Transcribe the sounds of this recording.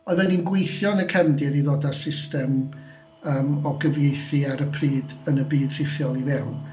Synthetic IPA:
ɔðvɛninɡwejθjɔnəkʰɛndɪɾiðɔdasɪstɛm | əːmɔɡəvjejθiaɾəpʰriːdənəbiːd̥r̥ɪfjɔlˠivɛwn

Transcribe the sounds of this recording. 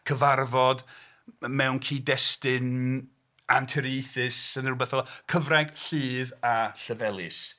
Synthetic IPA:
kʰəvarvɔd | mɛwnkʰiːdɛstɪn | antʰɛɾijθɪsənərbɛθɔlˠkʰəvraɡ̥ɬiːðaɬəvɛlˠɨs

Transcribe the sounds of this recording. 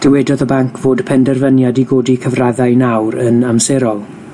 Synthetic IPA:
d̥əwɛdɔðəbaŋkʰv̥oːdpʰɛndɛrvənjadiɡoːdikʰəvraðajnawɾənamsɛɾɔlˠ

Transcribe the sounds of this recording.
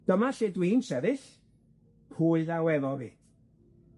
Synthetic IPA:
d̥əmaɬedwiːnsɛðɪɬ | pʰuːlawɛðɔviːd̥

